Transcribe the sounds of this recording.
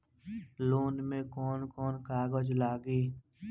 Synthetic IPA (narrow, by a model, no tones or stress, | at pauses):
loːnmẽkɔːnkɔːnkaːɡoːd͡ʒlaːɡeː